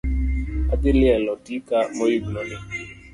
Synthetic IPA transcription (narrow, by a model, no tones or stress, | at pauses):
adɪlɪɛlɔdikamojiɡlɔlɪ